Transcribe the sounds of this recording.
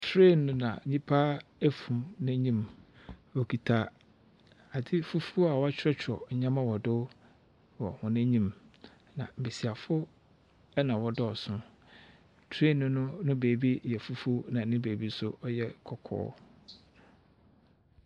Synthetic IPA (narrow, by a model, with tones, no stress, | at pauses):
tʰɾe˦˨nnʊ̃˦nã̰˨ɲĩ˦pʰa˦æ˦fũ˨mnæ̃˦ɲĩ˦m | ɔ˨kʰi˨tʰa˦˨ | a˨dɪ˦fu˦fu˦a˨wɔ˦a˦t͡ɕʰᶣɪ˦ɾɛ˦t͡ɕᶣʰɾɔ̰˨ɲã˦mã˦wɔ˨dʊ˦ | wɔ˨hʊ̃˨næ̃˦ɲĩ˦m | nã˨m̩˨be˨si˨a˨fʊ˦ | ɛ˦nã˨wɔ˨dɔ˦˨sʊ̃˦ | tʰɾe˦˨nʊ̃˦nʊ̃˦nʊ̃˦be˨bi˦jɛ˨fu˦fu˦nã˨nɪ̃˦beː˨bi˦sʊ˦ɔ˦jɛ˦kʰɔ˨kʰɔ̰ː˦